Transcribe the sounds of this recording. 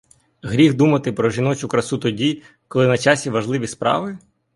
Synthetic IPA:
ɣɾʲixd̪umɐt̪ɪpɾɔʒinɔt͡ʃʊkɾɐsut̪ɔdʲi | kɔlˠɪnɐt͡ʃɑsʲiʋɐʒlˠɪʋʲispɾɑ̰ʋɪ

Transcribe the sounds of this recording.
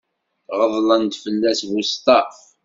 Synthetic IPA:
ʁəðˤlənt̪fəlːæsvust̪ɑ

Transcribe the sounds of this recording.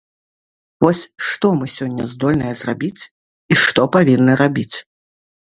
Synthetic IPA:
vɔsʲʂt̪ɔmɨsʲɔnʲːɐ̰zd̪ɔlʲnɐjɛzrabʲit͡sʲ | iʂt̪ɔpavʲinːɨɾabʲit͡sʲ

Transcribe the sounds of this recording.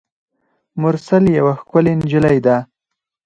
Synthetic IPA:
mʊɾsaljawaxkʊlend͡ʒəlajd̪a

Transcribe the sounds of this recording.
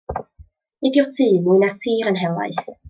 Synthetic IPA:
ɪdjɔtʰɨːmɨːnartʰiːɾənɦɛlˠa̰js

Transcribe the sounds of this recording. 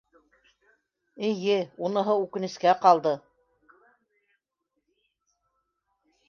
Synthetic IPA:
ɘ̆jɘunɤ̆ɦɤʉkɘ̆nɘ̆skæqɑlˠd̪ɤ

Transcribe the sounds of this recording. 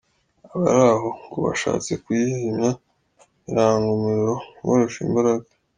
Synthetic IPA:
aβa̰ɾaɦoŋɡuβa̰ʃa̰ːt͡se̞kujihimɲa | iɾaːŋɡumiɾiɾowoɾeʃḭmbaɾaɡḁ

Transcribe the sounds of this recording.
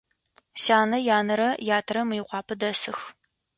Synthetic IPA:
saːnɐjaːnɐɾɐjaːtʰɐɾɐmɨjɪqʷɑːpʰɐdɐsɨx

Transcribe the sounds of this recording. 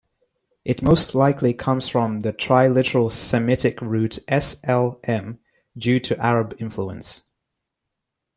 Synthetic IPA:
ʔɪt̚moʊstʰˡlaɪkʰlikʰʌ̃mz̥fɹə̃mðɨtʰɹ̥aɪlɪɾəɹəlˠsɨmɪtɪkɹʉˑtʔɛsɛlˠʔɛ̃m | djʉːtʰɨʔaɹəbɪ̃ɱfluə̰̃ns

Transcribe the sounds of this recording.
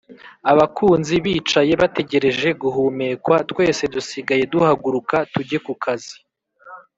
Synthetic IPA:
aβakʰuːnziβiːt͡ʃaje̞βate̞ɟe̞ɾe̞ʒe̞ɡuɦume̞ːkwatwe̞ːse̞dusiɡaje̞duhaɡuɾukatuɟe̞kukʰazi

